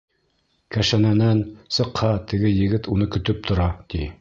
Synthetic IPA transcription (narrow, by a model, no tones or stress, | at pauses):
kæʃænænænsɤ̆qhɑt̪ɘ̆ɡɘjɘ̆ɡɘt̪unɤkɵ̆t̪ɵp̚t̪ʰŏɾɑt̪i